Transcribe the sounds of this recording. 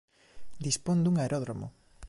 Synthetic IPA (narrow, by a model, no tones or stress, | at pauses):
d̪ispond̪uŋaeɾʔoðɾomo̰